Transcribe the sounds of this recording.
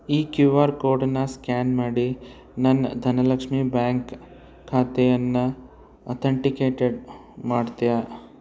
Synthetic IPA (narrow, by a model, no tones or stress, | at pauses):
iːkjuʋaːɾkoːɾʈnɐskaːnmaːɽi | nɐnd̪ʱɐnɐlɐkʂmiːbaːŋk | kʰːaːt̪ɛjɐnːɐ | ɐt̪ʰɐɳʈikeːʈeɖ | maːɽt̪ija